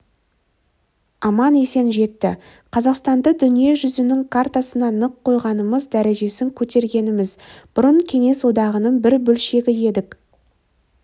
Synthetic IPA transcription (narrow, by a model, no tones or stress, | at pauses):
ɑmɑnese̞nʒe̞t̪ːɪ | qʰɑzɑqst̪ɑnd̪əd̪ʏnije̞ʒʏzɪnɪŋkʰart̪asənɑnəqʰːo̞jʁɑnəməzd̪æɾe̞ʒe̞sɪŋkʲʰɵt̪e̞ɾɡʲe̞nɪmɪzb̥ʊɾəɴkʲʰe̞ŋe̞swo̞d̪ɑʁənəɴbɪɾbɵlʃe̞ɡʲɪje̞d̪ɪk